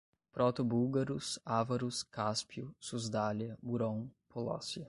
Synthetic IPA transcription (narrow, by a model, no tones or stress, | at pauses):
pɾɔt̪ʊbuwɡaɾʊsavɐɾʊskaspiʊsuzd̪aljɐbuɾõw̃pʰolɔ̰sjɐ